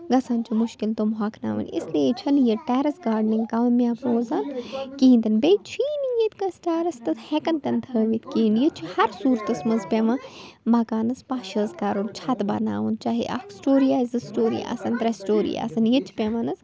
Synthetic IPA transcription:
ɡɐsaːnt͡ʃʰimʊʃkɪlt̪omɦɐkʰna̰ːʋɐ̰nʲḭsliet͡ʃʰɐnjeʈɛːɾɐsɡaːɾɖniŋɡkaːʋnmiaːpɾoːzaːnkĩːnd̪ɐnbejt͡ʃʰiːnijet̪ɡɐsʈaːɾɐst̪ɐshɛkɐnt̪ɐnd̪ʰʱəːʋit̪ʰkiːnjet͡ʃʰihɐɾsuːɾt̪ɐsmɐzpʲeʋɐmɐkaːnɐspaːʃɐzkaɾont͡ʃʰaːt̪bɐ̰na̰ːʋunt͡ʃaːɦḛʔɐ̰ksʈoːɾijaːjzɨsʈoːɾḭja̰ːsɐnt̪ɾɐsʈoːɾḭja̰ːsɐnjet͡ʃʰi̥pʲeʋɐnɐs

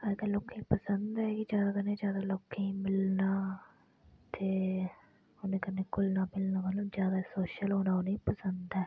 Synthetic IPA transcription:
əd̪aːloːkːẽːpəsənd̪ɛːkɪd͡ʒjaːd̪aːkənːẽːd͡ʒjaːd̪aːloːkʰẽːmɪlnaː | t̪eː | ʊnẽːkənːeːkʊlnaːmɪlnaːʋəlːõːd͡ʒjaːd̪aːsoːʃəlɦoːnaːʊnĩːpəsənd̪ɛː

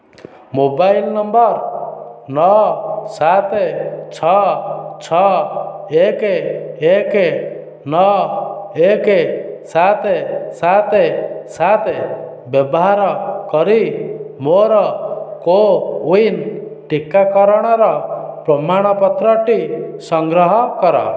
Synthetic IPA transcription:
mobailnɔmbɔɾ | nɔsat̪et͡ʃʰɔt͡ʃʰɔ | ekeeke | nɔ | ekesat̪esat̪esat̪e | bjɔbɔɦaɾɔkɔɾimoɾɔkouinʈikakɔɾɔɽ̃ɔɾɔpɾɔmaɽ̃ɔpɔt̪ɾɔʈisɔŋɡɾɔɦɔkɔɾɔ̰

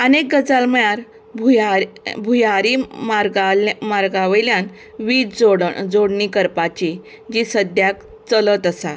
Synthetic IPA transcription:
ənek̚ɡəd͡zalməjaɾ | bʱujabʱujaɾimaɾɡamaɾɡaʋeljan | ʋidd͡zoɽd͡zoɽɳikəɾpat͡ɕi | d͡ʑisəd̪jak | t͡sələt̪əsa

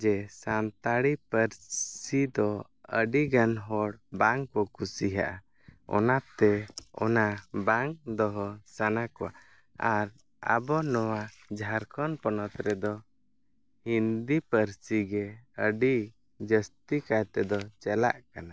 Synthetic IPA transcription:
d͡ʒɛsant̪aɽipəɾsid̪ɔ | ə̰ɖiɡanɦɔɽbaŋkɔkusiɦa̰ʔa | ɔ̰nat̪ɛɔ̰nabaŋd̪ɔɦɔsanakɔwa̰ | aɾ | a̰bɔnɔwa | d͡ʒʱaɾkɔnpɔnɔt̪ɾɛd̪ɔ | hind̪ipəɾsiɡɛəɖi | d͡ʒəst̪ikajt̪ɛd̪ɔt͡ʃɛla̰ʔkana

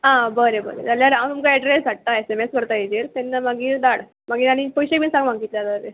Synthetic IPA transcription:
ɦãbəɾebə̰ɾḛd͡zaljaɾawt̪umkaɛɖɾesʋaʈ̚t̪aesemeskəɾt̪aed͡ʑeɾt̪ɛnːamaɡiːɾd̪aɽ | maɡiːɾaɽ̃ipəjɕekbinsãŋɡm̤ãŋɡit̪ljaləɾḛ

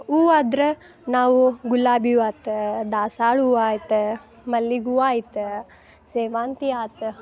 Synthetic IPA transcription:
uːaːd̪ɾe | naːʋuɡulːaːbiaːt̪ɨd̪aːsaːɭuːaːjit̪ɨ | mɐlːiɡuːaːjit̪ɨ | seːʋaːnt̪iaːt̪ɨ

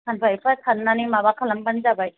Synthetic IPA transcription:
kʰanpʰajpʰakʰanːanimabakʰalambanizabaj

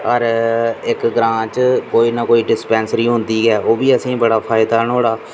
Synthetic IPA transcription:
əɾɪkɡɾãːt͡ʃkoːiːnakoːiːɖɪspɛ̃ːnsɾiːɦʊ̃nd̪iːɡɛːoːbiːəsĩːbəɽaːpʰaːɪd̪aːnoːɽaː

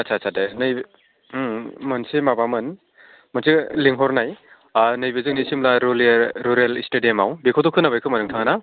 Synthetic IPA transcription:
asʰasʰadenɯj | mɐnsimabamɯn | mɐnsiliŋɦɔɾnaj | nɯjbizɯk̚nisimlaɾulɾuɾelistedimawbekʰotɔkʰɯnabajkʰɯmɐnɯŋtʰaŋana

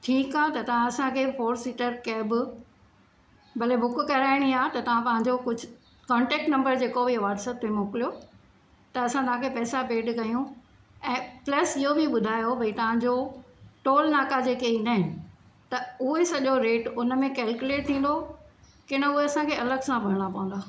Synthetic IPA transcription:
ʈʰiːkaːt̪ɐt̪ɐʋ̤ãɐsãkʰeːfoːɾsiːʈəɾkɛbɪ | bʱɐlebʊkʊkɐɾaːɪɽ̃iaːt̪ɐt̪ɐʋ̤ãpɐ̃ɦãɲd͡ʑokʊd͡ʑʱʊ | kɔ̃ːɳʈeːk̚ʈnɐ̃mbəɾd͡ʑeːkobʱiɐʋaːɾsət̪memoːkɪlijo | t̪ɐɐsãt̪ɐʋ̤ãkʰepɛːsabeːɖkɐjũ | ɛ̃ːplɐsɪɦobʱiɓʊd̪ʱaːjobʱɐit̪ɐʋ̤ãɲd͡ʑoʈoːlnaːkad͡ʑeːkeinaɦɪnɪ̆ | t̪ɐʊɦesɐʄoɾeːʈʊnə̆mẽkɛːlkjʊleːʈ̚t̪ʰĩːn̆d̪o | kɪɽ̃əʊɦeɐsãkʰeɐləɡsãbʱɐɾɽ̃apɐʋə̃nd̪aː

